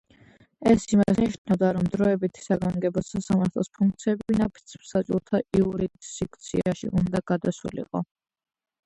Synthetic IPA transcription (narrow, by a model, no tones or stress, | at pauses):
ɛsimasniʃnavd̪aɾɔmd̪ɾɔɛbit̪ʰi̥saɡaŋɡɛbɔsasamaɾt̪ʰlˠɔ̰spʰuŋk̚t̪sʰiɛbivinapʰi̥t̪sʰpsat͡ʃʼulˠt̪ʰaʔiuɾit̪sik̚ʰt̪sʰḭaʃḭʔund̪aɡ̥ad̪asṵlḭqʼɔ̰